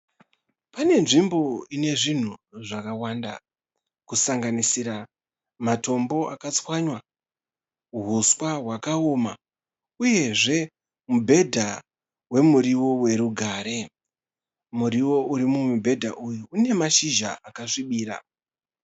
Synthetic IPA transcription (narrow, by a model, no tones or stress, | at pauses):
pane̞nʐimbo̞ine̞ʐin̤uʐakawanda̰ | kusaŋɡanisiɾa | mato̞mbo̞ʔa̰kat͡swaɲwa | uɦuswaɦwakaoma | uje̞ʐe̞ | mubʱe̞dʱa | we̞muɾiwo̞we̞ɾuɡʱaːɾe̞ | muɾiwo̞uɾimumubʱe̞dʱa̰ʔujuune̞maʃiʒa̰ʔakaʂiɓiːɾa̰